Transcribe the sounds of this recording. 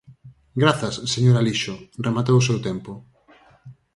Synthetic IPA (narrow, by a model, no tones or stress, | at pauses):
ɡɾaθɐsːeɲoɾaliʃoremat̪owʊsewt̪ɛmpo